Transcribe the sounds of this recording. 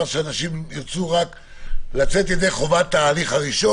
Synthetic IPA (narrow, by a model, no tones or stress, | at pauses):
ʁʃeanaʃimiʁt͡suʁak | lat͡se̞t̪jede̞jχo̞vat̪ːaːliχaʁiʃo